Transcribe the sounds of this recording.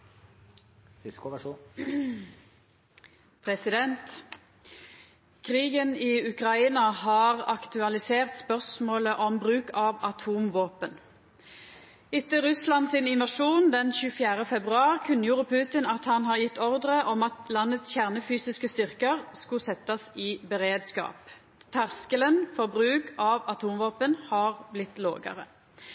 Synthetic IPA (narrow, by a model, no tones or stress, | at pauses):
pʰʁɛsɪd̪ɛnt̪ | kʰʁiːɡəniːʉkʁɑiːnɑhɑːʁɑkt̪ʉɑlɪseːʁt̪spœʁsmoːləʔɔmbʁʉːkɑːʋɑt̪ʰuːmʋoːpən | ɪt̪əʁʉslɑnsɪnɪnʋɑʃuːnd̪ɛnçʉːfjæːʁəfɛbʁʉɑːʁkʰʉnːəjuːʁəpʰʉːt̪ɪnɑt̪hɑnɦɑʁjɪt̪ːɔʁd̪ʁəʔɔmɑt̪lɑnːət̪sçæʁnəfyːsɪskəst̪ʏʁkəʁskʊsɛt̪ːɑsɪbəʁeːd̪skɑ̰ːp | t̪ʰæʁskələnfɔʁbʁʉːkʰɑʋɑt̪ʰuːmʋoːpənhɑːʁblɪt̪ːlo̰ːɡə̰ʁə̰